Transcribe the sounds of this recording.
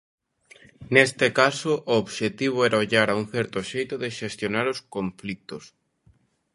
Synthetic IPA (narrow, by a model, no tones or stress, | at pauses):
nest̪ekasoʔoːβʃet̪iβ̞oɛɾaoʎaɾauŋ̟θɛɾt̪oʃejt̪ʊðeʃest̪jonaɾoskõɱflik̚t̪os